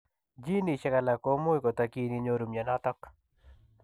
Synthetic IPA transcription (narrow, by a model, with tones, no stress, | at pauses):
d͡ʒi˦ni˨t͡ʃa˦ka˨la˨ko˦mo˦jko˨t̪a˨ki˦ni˨˧ɲo˦ɾu˨mja˨nɔ˦t̪ɔ˦k